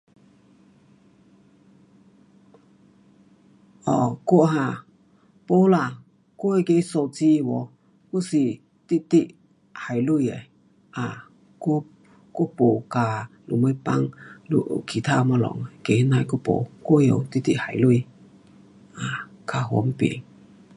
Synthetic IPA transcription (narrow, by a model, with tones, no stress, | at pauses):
ʔɔ˧˩ko˧˨ʔɦã˧˨ | po˥˦la˧˨ | ko˦e˧ke˧˦so˧˩t͡si˧wɔ˨˦ | ku˥si˨˩ | t̪i˦t̪i˧ʔ | ha˨˩jlu˥˧˨je˨ | ʔa˨ | ko˦˥ | ko˦˥˦po˨˩ka˨lṵ˨ma˧˦pa˧ŋlṵ˧ʔo̰˨kʰi˨˩t̪ʰa˦˧ma˧lɔ̰˨ŋe˨ke˨hna˧jko˥˦po̰˨˩ko˥˦jo̰˨t̪i˦t̪i˧ʔha˨jlu˧˨j | ʔa˨kʰa˨˧ɦɔ̰˨˧˦m˦pḭ˨˩˨ŋ